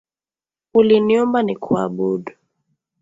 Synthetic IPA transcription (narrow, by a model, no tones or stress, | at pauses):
uliniɔmbanikʰwa̰ɓudu